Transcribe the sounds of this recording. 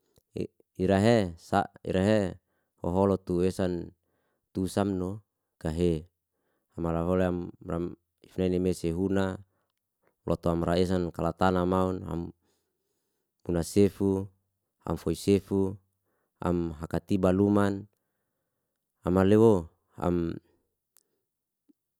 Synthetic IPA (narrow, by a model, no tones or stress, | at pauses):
iɾaɦesa̰ʔḭɾaɦe | hoɦolɔt̪uesan | t̪usamno | kaɦe | amalaɦoleamram | ifunainemeseɦuna | lʔɔt̪oamraes̬ankalat̪anamauna̰m | hunasefu | a̰mfoisefu | a̰mɦakat̪ibaluman | amalewo | a̰m